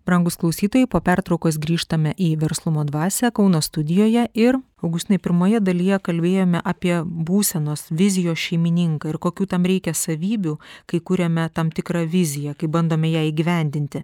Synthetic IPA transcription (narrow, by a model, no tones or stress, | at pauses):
bɾɐŋɡʊsklˠɐʊsʲiːt̪oːjɛɪpoːpʲæɾt̪ɾɒʊkoːsɡɾʲiːʃt̪ɐmʲɛʔiːʋʲɛɾslˠʊmoːd̪ʋɑːsʲɛkɒʊnoːst̪ʊd̪ʲɪjoːjɛʔɪɾ | ɐʊɡʊʃʲt̪ʲɪnɐɪpʲɪɾmoːjɛd̪ɐlʲɪjɛkɐlʲbʲeːjoːmʲɛʔɐpʲiɛbuːsʲɛnoːsʋʲɪzʲɪjoːsʃʲɛɪmʲɪnʲɪŋkɐːɪrkoːkʲuːt̪ɐmɾʲɛɪkʲɛsɐʋʲiːbʲuːkɐɪkʊɾʲɛmʲɛt̪ɐmt̪ʲɪkɾɑːʋʲɪzʲɪjɛkɐɪbɐnd̪oːmʲɛjæːiːɡʲiːʋʲɛnʲd̪ʲɪnʲt̪ʲɪ